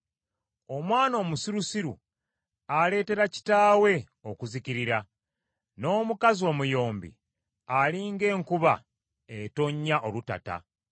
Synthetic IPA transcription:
o̞mwaːno̞ːmusiɾusiɾṵ | ale̞ːte̞ɾaci̥taːwe̞ | o̞kuziciɾiɾa | no̞ːmukazio̞ːmujo̞ːmbḭ | aliŋɡe̞ːŋkuβa̰ | eto̞ɲːaʔo̞luta̰ta̰

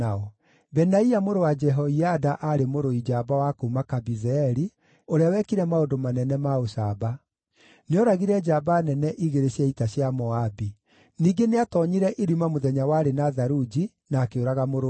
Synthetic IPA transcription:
aɔ | bɛnaiamoɾowad͡ʒɛɦɔiadaʔaɾemoɾoid͡ʒabawakoumakabizɛɛɾi | oɾeawɛkiɾɛmaondomanɛnɛmaosaba | neɔɾaɣiɾɛd͡ʒabanɛnɛʔiɣeɾeɕjaitaɕjamɔabi | niːɡeneatɔɲiɾɛʔeɾimamoðɛɲawaːɾenaðaɾud͡ʒi | naːkeoɾaɣamoɾo

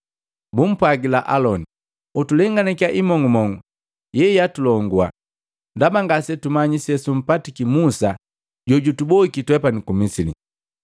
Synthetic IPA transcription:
bum̩pwaɡilaʔalɔni | utulɛŋɡanɛkiaʔimɔŋɡumɔŋɡu | jɛjatulɔŋɡwa̰ | ndabaŋɡasɛtumaɲisɛsum̩patikimusa | ɟɔɟutubɔikitwɛpanikumisilḭ

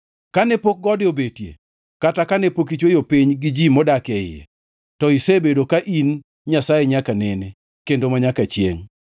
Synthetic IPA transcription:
kanɛpok̚ɡɔdɪobetjḛ | katakanɛpokit͡ʃwejopiɲɡɪd͡ʒimɔdakɛɪ̰jɛ̰ | tɔisebedokaʔin | ɲasajeɲakanɛne | kendomaɲakat͡ʃjḛŋ

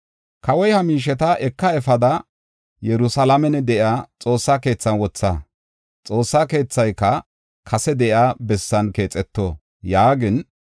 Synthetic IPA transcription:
kɐwɔjhɐmiːʃ̬ɛt̪ɐʔɛkːɐɛfɐd̪ɐ | jɛɾʊsɐlɐmɛnɛd̪ɛʔjaːt͡sʼo̞ːsːaːke̞ːt͡sːɐnwɔt͡sːa | t͡sʼo̞ːsːaːke̞ːt͡sːɐjkːɐ | kʰɐsɛd̪ɛʔɪaːbɛsːɐnke̞ːt͡sʼɛt̪ːoː | jaːɡɪn

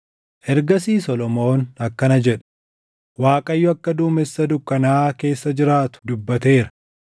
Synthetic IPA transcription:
ʔɛɾɡɐs̬iːsɔlɔmo̞ːnɐkːɐnɐd͡ʒɛᶑ̥ | waːkʼɐjːʊɐkːɐd̪uːmɛsːɐd̪ʊkːɐnaːke̞ːsːɐd͡ʒɪɾaːt̪ʊ̥d̪ʊbːɐt̪e̞ːɾɐ̥

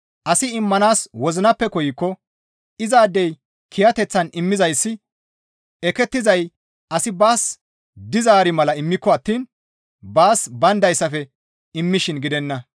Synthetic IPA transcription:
ʔɐsɪɪmːɐnaːswɔzɪnɐpːɛkɔjɪkːɔ | ɪzaːd̪ːɛj | kʰɪjɐt̪ɛt͡sːɐnɪmːɪzɐjsːɪ | ɛkɛt̪ːɪzɐj | ɐsɪbaːs | d̪ɪzaːɾɪmɐlɐɪmːɪkːɔɐt̪ːiːn | baːsbɐnd̪ɐjsːɐfɛ | ɪmːɪʃɪnɡɪd̪ɛnːɐ

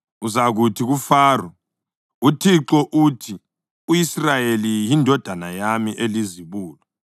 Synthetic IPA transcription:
uzaɣutʰiɣufaːra | utʰiǁɔʔutʰi | ujisrajelijindʱɔd̥ʱanajamiʔeliziβuːlɔ

